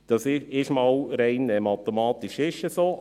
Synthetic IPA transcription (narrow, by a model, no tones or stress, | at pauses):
d̥ɑsɪɪʃmɑwɾɛɪnɛmɑt̪ɛmɑːt̪iʃɪʃəsoː